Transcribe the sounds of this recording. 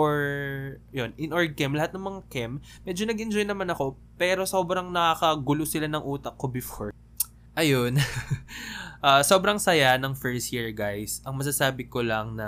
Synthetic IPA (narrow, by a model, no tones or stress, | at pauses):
ʔoɹ | jonʔɪnʔoɹd̪̚kɛmlɐhat̪nɐŋmɐŋakɛmː | ɛːd͡ʒonɐɡʔɛnd͡ʒo̞jnɐmanɐko̞ | pɛːɾo̞so̞ːbɾɐŋnɐkakɐɡʊlosɪlanɐŋʔuːt̪ɐk̚ːobɪfoɹ | ʔɐjon | ʔaso̞bɾɐŋsɐjanɐŋfɛɹst̪jiɹɡajsʔɐŋmɐs̬ɐsaːbɪko̞lɐŋnɐ